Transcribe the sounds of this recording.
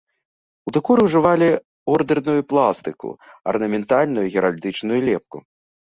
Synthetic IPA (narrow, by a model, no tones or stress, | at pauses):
ud̪ɨkuɾɨwuʐɨvalʲi | ɔrd̪ɛrnujuplˠast̪ɨkṵɐ̰rnɐmʲɛnt̪alʲnujuɣʲɛɾalʲd̪ɨt͡ʂnujulʲɛp̚ku